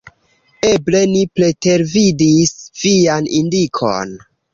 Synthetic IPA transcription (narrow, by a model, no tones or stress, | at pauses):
e̞ble̞nipɾe̞te̞ɾvidisv̥ianʔindikʰo̰n